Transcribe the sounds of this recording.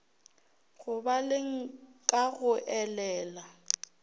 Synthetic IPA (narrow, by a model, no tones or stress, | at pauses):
ɣʊbalɪŋ̩kʼaɣʊʔɛlɛːla